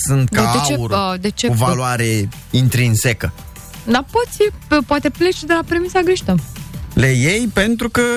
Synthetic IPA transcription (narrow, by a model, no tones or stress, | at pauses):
sɨnt̪̚dkaad̪eeuɾəd̪et͡ʃevaloaɾe̞ | int̪ɾinsekə | d̪apo̞t̪sʲpoat̪e̞plet͡ʃed̪elapɾemisaɡɾiʃt̪əlejejpe̞nt̪ɾukə